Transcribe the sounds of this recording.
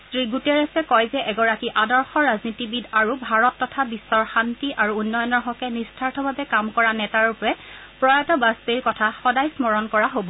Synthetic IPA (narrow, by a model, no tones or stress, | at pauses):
stɹiɡutɛɹasɛkɔjzɛʔɛɡɔɹakiʔadɔɹxɔɹaznitibidaɹubʱaɹɔtːɔtʰabisːɔɹxantiʔaɹuunːɔjɔnɔɹɦɔkɛnistʰaɹtʰɔbʱabɛkamkɔɹanɛtaɹɔpɔɹɛ | pɹɔjatɔbaspeɹkɔtʰaxɔdajsmɔɹɔnkɔɹaɦobɔ